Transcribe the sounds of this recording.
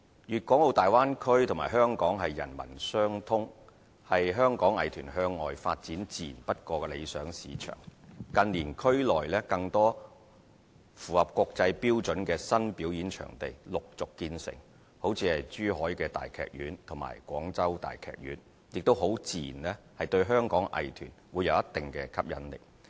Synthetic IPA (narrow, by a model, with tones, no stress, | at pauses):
jyː˨t̚kʷɔː˨˥ŋlo˨˧wt̪aː˨jwaː˥nkʰɵ˥ɥt̪ʰʊ˨˩maː˨˩ɦœː˥ŋkɔː˨˥ŋɦɐ˨jːɐ̰˨˩nmɐ̰˨˩nsœː˥ŋt̪ʰʊ˥ŋ | hɐ˨jɦœː˥ŋkɔː˨˥ŋɐ̰˨˩jt̪ʰyː˨˩nɦœː˧ŋːɔː˨jfa̰ː˧t̚t͡siː˨˥nt͡siː˨˩npɐ˥t̚kɔː˧kɛ˧lḛ˨˧jsœː˨˥ŋsiː˨˧t͡ʃʰœ̰ː˨˩ŋkɐ˧nliː˨˩nkʰɵ˥ɥlɔː˨jlɛː˥kɐ˧ŋt̪ɔː˥ | fuː˨˩hɐ˨p̚kʷɔː˧k̚t͡sɐ˧jpiː˥wt͡ʃɵ˨˥nkɛː˧sɐ˥npiː˨˥wji˨˥nt͡ʃʰœ̰ː˨˩ŋt̪e˨jlʊ˨k̚t͡sʊ˨kːiː˧nsɪ̰˨˩ŋ | ho˨˥wt͡sʰiː˧hɐ˨jt͡ʃyː˥hɔː˨˥jkɛː˧t̪a̰ː˨jkʰɛ̰ː˨k̚jyː˨˥nt̪ʰʊ˨˩ŋma̰ː˨˩jkʷɔː˨˥ŋt͡sɐ˥wt̪a̰ː˨jkʰɛ̰ː˨k̚jy̰ː˨˥n | jɪ˨k̚t̪o˥wɦo˨˥wt͡siː˨˩nlɛː˥ | hɐ˨jt̪ɵ˧ɥɦœː˥ŋkɔː˨˥ŋʔɐ̰˨jt̪ʰyː˨˩nwuː˨˧jɐ˨˧wjɐ˥t̪ːɪ˨ŋkɛː˧kʰɐ˥p̚jɐ̰˨˥nlɪ̰˨k̚